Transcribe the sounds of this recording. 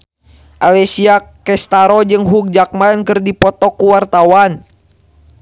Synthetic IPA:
ʔalɛsiakː | ɛst̪aɾɔd͡ʒɨŋɦuk̚d͡ʒak̚mankɨrdipɔt̪ɔkuwart̪awan

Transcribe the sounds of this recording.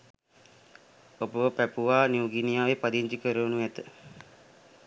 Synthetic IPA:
obəʋəpæpuʋaːnjuɡinijaːʋepad̪iɲt͡ʃikəɾəunuæt̪ə

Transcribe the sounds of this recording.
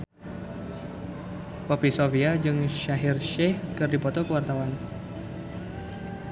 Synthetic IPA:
pɔpisofiad͡ʒɨŋʃaɦirʃɛhkɨrdipɔt̪ɔkəwart̪awan

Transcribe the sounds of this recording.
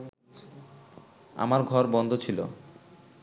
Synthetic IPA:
a̰maɾɡʱɔɾbɔnd̪ʱot͡ɕʰilo

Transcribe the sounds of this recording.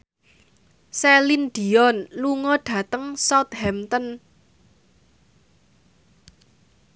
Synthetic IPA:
sɛlinɖ̪̥i̤ɔnluŋɔɖ̥ä̤t̪əŋsɔt̪̚hɛmt̪ən

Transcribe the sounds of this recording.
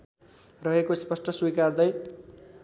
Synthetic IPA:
rʌɦekospʌsʈʰʌswikard̪ʌj

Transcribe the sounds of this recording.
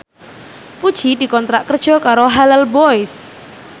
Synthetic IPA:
pud̥ʒ̥i̤d̪i̤kɔnt̪ɾaʔkərd̥ʒ̥ɔ̤kaɾoɦalalbɔɪs

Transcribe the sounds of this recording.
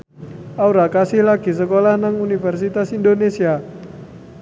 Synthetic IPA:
ʔauɾakasɪhlaɡ̥i̤səkolahnaŋunifɛrsit̪asindonesia

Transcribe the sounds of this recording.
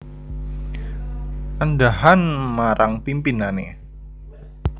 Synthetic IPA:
ʔandaɦanmaɾʔaŋpimpinanḛ

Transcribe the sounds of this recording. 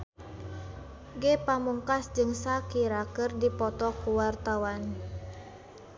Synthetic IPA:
ɡepamuŋkasd͡ʒɨŋsakiɾakɨrdipɔt̪ɔkuwart̪awan

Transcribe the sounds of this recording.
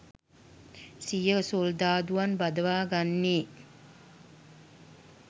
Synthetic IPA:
sijəsold̪aːd̪uʋanbad̪əʋaːɡanːiː

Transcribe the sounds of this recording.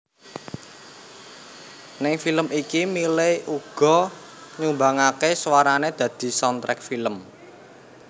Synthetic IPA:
nɪŋfiləmʔikimileuɡ̥ɔ̤ | ɲumbaŋakeswaɾaned̪̥ä̤d̪̥i̤sɔnt̪ɾɛ̰k̚filəm

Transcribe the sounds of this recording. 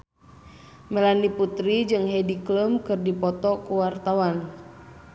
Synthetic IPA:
mɛlaniput̪ɾid͡ʒɨŋɦɛdikləmkɨrdipɔt̪ɔkuwart̪awan

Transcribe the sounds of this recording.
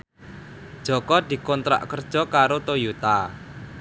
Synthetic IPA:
d̥ʒ̥ɔ̤kɔd̪̥i̤kɔnt̪ɾa̰ʔkərd̥ʒ̥ɔ̤kaɾot̪ojut̪a

